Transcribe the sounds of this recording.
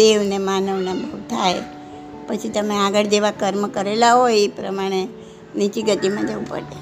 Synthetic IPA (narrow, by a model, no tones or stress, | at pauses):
eʋnemanəʋnabʱəʋt̪ʰaj | pət͡ʃʰit̪əmeaɡəɭd͡ʒeʋakəɾmkəɾelaɦoepɾəmaɽ̃e | nit͡ʃiɡət̪imãd͡ʒəʋũpə̰ɽe